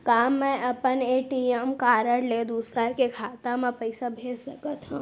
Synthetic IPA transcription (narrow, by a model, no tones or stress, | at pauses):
kaːmːɛ̃ʔɐpəneːʈiemkaːɾəɽleːd̪uːsaɾkekʰaːt̪ãmɛ̃pəɪsabʱeːsɐkət̪ɦã